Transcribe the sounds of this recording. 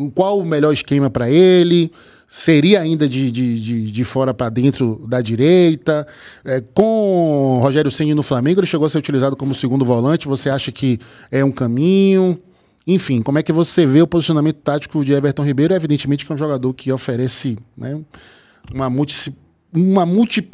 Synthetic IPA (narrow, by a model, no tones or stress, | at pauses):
kwawmɛʎɔɾɪʃkẽmɐpɾɐelɪ | seɾiɐaĩnd̪ɐd͡ʒɪd͡ʒɪd͡ʒɪd͡ʒɪfɔɾɐpɾɐd̪ẽnt̪ɾʊd̪ɐd͡ʒiɾejt̪ɐɛkõɦoʒɛɾjʊsẽd͡ʒɪnʊflamẽɡʊelɪʃeɡowɐseɾut͡ʃilizad̪ʊkõmʊsɪɡũnd̪ʊvɔlɐ̃t͡ʃɪvoseaʃɐkʰɪɛũkɐ̃mĩɲʊ | ẽfĩkõmʊɛkɪvoseveʊpozisiõnamẽnt̪ʊ̥t̪at͡ʃi̥kʊd͡ʒɪɛveɾt̪õw̃ɦibejɾʊevid̪ẽnt͡ʃɪmẽt͡ʃɪ̥kɛ̃ũʒɔɡad̪oɾkʰɪofeɾɛsɪnɛ | ũmɐmuwt͡ʃi̥si | ũmɐmuwt͡ʃip